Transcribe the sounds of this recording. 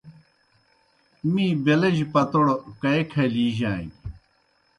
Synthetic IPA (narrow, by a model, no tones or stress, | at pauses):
mĩːbelɐʑpɐt̪oɽokɐekʰɐliːʑaːi